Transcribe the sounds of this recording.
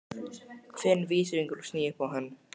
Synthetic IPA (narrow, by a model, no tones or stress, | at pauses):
fɪnːviːsɾiŋkʏɾu̥sniːɪhpawɦɛnː